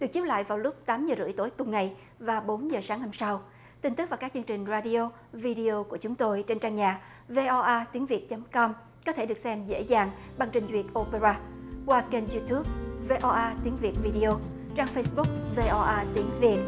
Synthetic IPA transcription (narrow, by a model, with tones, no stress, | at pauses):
ɗɨ˨˩ək̚t͡ɕi˦˥p̚la̰ː˧˨jvaː˨˩wlʊ˦˥k͡p̚t̪aː˨˦mzəː˨˩zɨ̰˧˩jt̪o˨˦jkʊ˨˩ŋ͡mŋa˨˩j | vaː˨˩ɓo˨˦nzəː˨˩saː˨˦ŋna˧msa˧w | t̪ï˧ŋ̟t̪ɨ˦˥vaː˨˩wkaː˦˥k̚t͡ɕɨ˧ŋt͡ɕï˨˩ŋ̟zaː˧ɗi˧o˧ | vi˧ɗi˧o˧ku˧˩ət͡ɕʊ˨˦ŋ͡mt̪o˧jt͡ɕe˧nt͡ɕaː˧ŋɲaː˨˩ | ve˧ʔɔ˧ʔaː˧t̪i˨˦ŋvi˨˩ət̚t͡ɕə˨˦mkɔ˧m | kɔ˨˦t̪ʰe˧˩ɗɨ˨˩k̚sɛ˧mzḛ˧˥zaː˨˩ŋɓa˨˩ŋt͡ɕï˨˩ŋ̟zwi˨˩ət̚ʔo˧pe˧zaː˧kwaː˧t͡ɕe˧nzu˧t̪ʰu˦˥p̚ve˧ʔɔ˧ʔaː˧t̪i˨˦əŋvi˨˩ət̚vi˧ɗi˧ʔo˧t͡ɕaː˧ŋfə˧jsɓʊ˦˥k͡p̚ve˧ʔɔ˧ʔaː˧t̪i˨˦əŋvi˨˩ət̚